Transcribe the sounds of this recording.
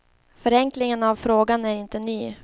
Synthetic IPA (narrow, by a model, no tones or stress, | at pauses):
fœɾɛŋklɪŋənavfɾoːɡanæɾɪnt̪ənyː